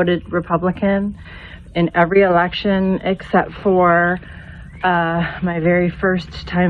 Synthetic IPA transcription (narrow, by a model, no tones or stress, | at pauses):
ʊɾɨd̚ɹɨpʰʌbləkɨ̃n | ɨ̃nɛvɹiəlɛkʃɨ̃nɪksɛp̚tfə˞ | maɪvɛɹifɜ˞stʰãɪ̃